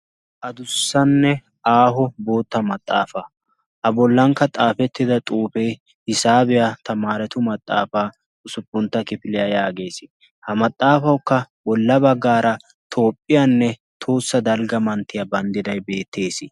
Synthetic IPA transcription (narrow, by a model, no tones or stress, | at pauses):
ʔɐd̪ʊsːɐnːɛ | ʔaːɦɔbo̞ːt̪ːɐmɐt̪ʼːa̰ːfɐ | ʔɐbɔlːɐŋkːɐt̪ʼaːfɛt̪ːɪd̪ɐt̪ʼuːfej | hɪsaːbɛjat̪ʰɐmaːɾɛt̪ʊmɐt̪ʼːa̰ːfaː | ʔʊsʊpːʊnt̪ːɐkɪfɪlɪjajaːɡe̞ːsɪ | hɐmɐt̪ʼːaːfɐwkːɐwɔlːɐbɐɡːaːɾɐ | t̪ʰo̞ːpʼːɪjanːɛ | t̪ʰoːsːɐd̪ɐlɡɐmɐnt̪ːɪjɐbɐnd̪ɪd̪ɐjbe̞ːt̪ːe̞ːsɪ